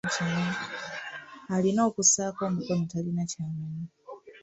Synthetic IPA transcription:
cana | alino̞ːkusaːko̞ːmukonotalinacaːmana

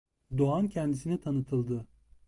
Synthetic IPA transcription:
d̪oancʰɛnd̪isinit̪ʰanɯt̪ʰɯlˠd̪ɯ

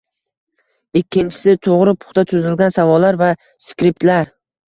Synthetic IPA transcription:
ɪkʲʰːɪnt͡ʃʰɪ̥sɪt̪ʰoʁɾɪpʰʊ̥χt̪at̪ʰʊzɪlɡʲansavɒlːaɾva | skʲɾɪp̚t̪laɾ

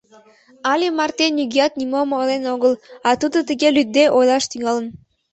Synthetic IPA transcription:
ɑlʲemɑrt̪enʲːyɡʲijɑt̪nʲimomolenoɣəlˠɑt̪ud̪ət̪əɡelʲyd̪̚d̪eʔojlˠɑʃt̪yŋɑlən

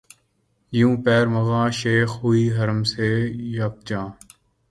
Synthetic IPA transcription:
jũːpɛːɾməɣãːʃeːxɦʊiːɦəɾəmseːjap̚t͡ʃãː

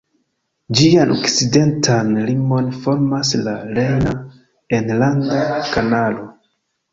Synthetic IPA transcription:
d͡ʒianʔo̰kt͡side̞ntʰanlimo̞nfo̞ɾmaslalejna | e̞nlandakanalo̞

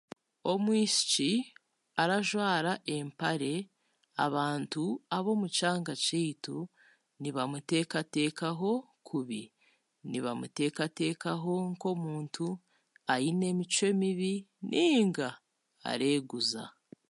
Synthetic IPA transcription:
o̞mwiːsi̥t͡ʃi | aɾaʒwaːɾaʔe̞mpaɾe̞ | a̰βaːntuaβo̞ːmut͡ʃaːŋɡat͡ʃeitu | niβamute̞ːkate̞ːkaɦo̞ | kʰuβi | niβamṵte̞ːkate̞ːkaɦo̞ŋko̞muːntʰu | ajine̞mit͡ʃwe̞miβinʔiːŋɡa̰ː | ɾe̞ːɡuza̰

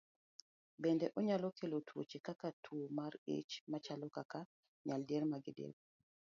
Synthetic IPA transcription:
bɛndɛʔɔɲalɔkʰelotʰwot͡ʃekakatʰuomaɾḛt͡ʃmat͡ʃalɔkaka | ɲaldeɾmaɡɪdḛɾ

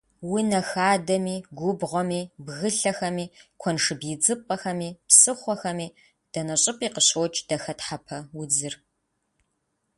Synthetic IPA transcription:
wʊnɐxaːdɐmiːɡʷʊbʁʷɔmiːbɣɨɬɐxɐmiːkʷʰɔnʂɨbjɪd͡zɨpʼɐxɐmiːpsɨχʷɔxɐmiː | d̥ɐnɐɕʼɪpʼiːqəɕoːt͡ʃʼd̥ɐxɐtħapʰɐwʊd͡zɨr

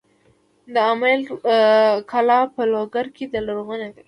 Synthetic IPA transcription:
d̪əamal | kʰalɑpəloɡaɾkʰed̪əlaɾowənad̪a

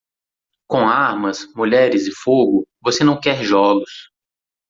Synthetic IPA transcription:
kõaɾmɐsmuʎɛɾɪzɪfoɡʊvosenɐ̃w̃kɛɾʒɔlʊs

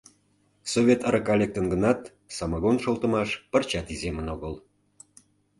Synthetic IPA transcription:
sovʲet̪əɾəkɑlʲek̚t̪ənɡənɑt̪ | sɑmɑɣonʃolt̪ə̆mɑʃpərt͡ɕɑt̪izemənoɣəl

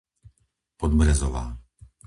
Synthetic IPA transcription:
pɔd̪bɾɛzɔʋa̰ː

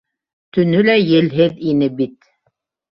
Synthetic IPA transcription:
t̪ɵ̆nɵlæjɘ̆lɦɘðinɘbit̪̚

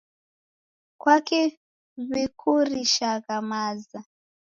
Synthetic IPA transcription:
kwake | βekʰoriʃakamaːza

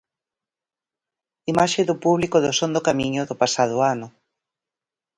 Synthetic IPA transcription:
imaʃeðʊpuβlikʊðʊsond̪ʊkamiɲʊðʊpasað̞ʊanʊ

